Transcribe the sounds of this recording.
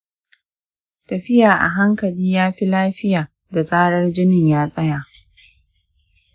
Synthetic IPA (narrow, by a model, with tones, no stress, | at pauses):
tɐ˨ɸɪ˦jaː˨ʔa̰˨ɦa˦ŋkɐ˨liː˦jaː˦ɸi˦laː˦ɸɪ˦jaː˨ | da˨sʼaː˦ɽɐ˦rd͡ʒɪ˦nɪ˨ɲjaː˦sʼɐ˦jaː˨ʔ